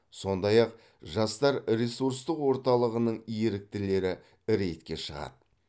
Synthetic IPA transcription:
so̞nd̪ɑjɑq̚ | ʒɑst̪ɑɾɾesuɾs̬t̪əqwo̞ɾt̪ɑlˠəʁənəɴijeɾɪk̚t̪ɪle̞ɾɪ | ɾe̞jt̪kʲe̞ʃəʁɑ̰d̪ə

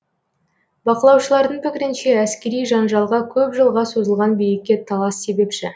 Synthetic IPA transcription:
bɑqəlˠɑwʃəlˠɑɾd̪əɴpɪkʲɪɾɪnʃe̞æskʲe̞ɾijʒɑnʒɑlˠʁɑkʲʰɵpʒəlˠʁɑso̞zəlˠʁɑnbejɪkʲːe̞t̪ʰɑlˠɑsːe̞be̞pʃɪ

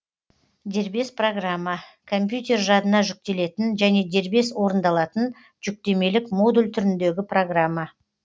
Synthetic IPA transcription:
d̪e̞ɾbe̞spro̞ɡramːɑ | kʰo̞mpjut̪ʲe̞rʒɑd̪ənɑʒʏk̚t̪e̞le̞t̪ɪnʒæne̞d̪e̞ɾbe̞swo̞ɾənd̪ɑlˠɑt̪ən | ʒ̥ʏk̚t̪e̞me̞lɪkmo̞d̪ulʲt̪ʰʏɾɪnd̪e̞ɡʲɪpro̞ɡramːɑ

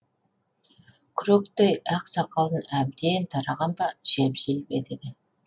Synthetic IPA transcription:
kʲʰɾokt̪ejæqsɑqɑlˠənæb̚d̪ent̪ʰɑɾɑʁɑnbɑʒepʒelbed̪ed̪ɪ

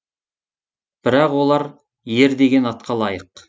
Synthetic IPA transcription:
b̥ɪɾɑqwo̞lˠɑɾ | je̞ɾd̪e̞ɡʲe̞nɑt̪̚qʰɑlˠɑjəq

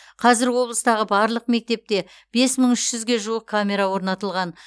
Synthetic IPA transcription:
qʰɑzɪɾwo̞blˠəst̪ɑʁəbɑɾlˠəqme̞k̚t̪e̞p̚t̪e̞ | b̥e̞sməɴʏʃʒ̥ʏzɡʲe̞ʒuəq̚kʰamʲe̞ɾawo̞ɾnɑt̪əlˠʁɑn

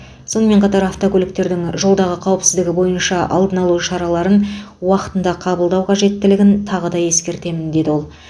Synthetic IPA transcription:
so̞nəme̞ɴqʰɑt̪ɑɾɑft̪o̞kʲɵlɪk̚t̪e̞ɾd̪ɪŋʒo̞lˠd̪ɑʁəqʰɑwəpsɪzd̪ɪɡʲɪbo̞jənʃɑʔɑ̰lˠd̪ənɑlˠuʃɑɾɑlˠɑɾənwɑqət̪ənd̪ɑqʰɑbəlˠd̪ɑwqʰɑʒe̞t̪ːɪlɪɡʲɪnt̪ʰɑʁəd̪ɑje̞skʲe̞ɾt̪e̞mɪnd̪e̞d̪ɪwo̞lˠ

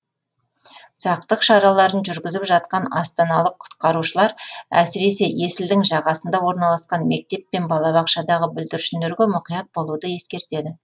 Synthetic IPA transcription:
sɑq̚t̪əqʃɑɾɑlˠɑɾənʒʏɾɡʲɪzɪpʒɑt̪̚qɑnɑst̪ɑnɑlˠəqʰːʊ̥t̪qɑɾuʃəlˠɑɾæ̰sɪɾe̞se̞je̞sɪld̪ɪŋʒɑʁɑsənd̪ɑwo̞ɾnɑlˠɑsqɑnme̞k̚t̪e̞pːe̞nbɑlˠɑβɑqʃɑd̪ɑʁəbʏld̪ɪɾʃɪnd̪eɾɡʲemʊqijɑt̪̚bo̞lˠud̪əje̞skʲe̞ɾt̪e̞d̪ɪ

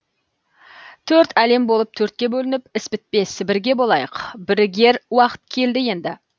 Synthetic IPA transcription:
t̪ʰɵɾt̪æle̞mbo̞lˠəp̚t̪ʰɵɾt̪̚kʲe̞bɵlɪnɪpɪspɪt̪̚pe̞sɪbɪɾɡʲe̞bo̞lˠɑjəqbɪɾɪɡʲe̞ɾwɑqə̥t̪̚kʲʰe̞ld̪ɪje̞nd̪ɪ

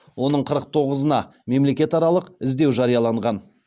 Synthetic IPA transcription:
wo̞nəɴqʰəɾəq̚t̪ʰo̞ʁəzənɑme̞mle̞kʲe̞t̪ɑɾɑlˠəqɪzd̪e̞wʒɑɾijɑlˠɑɴʁɑn

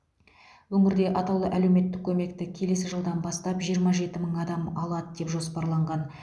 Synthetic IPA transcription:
wɵŋɪɾd̪e̞ʔɑt̪ɑwlˠəʔæle̞wme̞t̪ːɪkʲʰːɵme̞kt̪ɪkʲʰe̞le̞sɪʒəlˠd̪ɑnbɑst̪ɑpʒijəɾmɑʒe̞t̪ɪməŋɑd̪ɑmɑlˠɑd̪əd̪e̞pʒo̞spɑɾlˠɑɴʁɑn

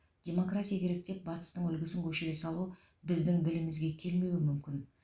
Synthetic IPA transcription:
d̪̥ʲe̞mo̞krat̪ʲijakʲʰe̞ɾe̞k̚t̪e̞p̚bɑt̪ə̥st̪əɴʏlɡʲɪsɪŋkʲʰɵʃeesɑlˠu | bɪzd̪ɪŋd̪ɪlɪmɪzɡʲe̞kʲʰe̞lme̞wɪmʏmkʲɪn

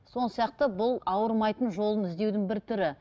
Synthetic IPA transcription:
so̞nəsijɑq̚t̪əbʊlˠɑwəɾmɑjt̪ənʒo̞lˠənɪzd̪e̞wd̪ɪŋbɪɾt̪ʰʏɾɪ

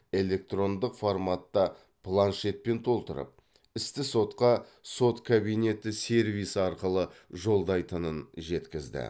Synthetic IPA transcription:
e̞le̞k̚t̪ro̞nd̪əqformat̪ːɑ | pʰlˠanʃe̞t̪̚pe̞nt̪ʰo̞lˠt̪əɾə̰p̚ | ɪst̪ɪso̞t̪qɑso̞t̪kʰabijne̞t̪ɪse̞ɾvijsɑɾqəlˠəʒo̞lˠd̪ɑjt̪ənənʒe̞t̪kʲɪzd̪ɪ̰

